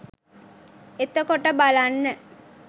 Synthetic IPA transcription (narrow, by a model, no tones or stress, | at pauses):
et̪əkoʈəbalanːə